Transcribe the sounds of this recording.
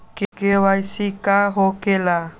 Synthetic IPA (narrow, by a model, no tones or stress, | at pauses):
kkewajsikaɦokela